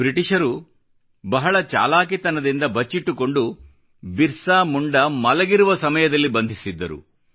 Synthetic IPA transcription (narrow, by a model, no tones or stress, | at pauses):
bɾiʈiʂɐɾu | bɐɦɐɭɐt͡ʃa̰ːlaːk̬it̪ɐnɐd̪ind̪ɐbɐt͡ʃːiʈːuko̞ɳɖu | biɾsaːmuɳɖɐmɐlɐɡiɾuʋɐsɐmɐjɐd̪ɐlːibɐnd̪ʱisid̪ːɐ̰ɾṵ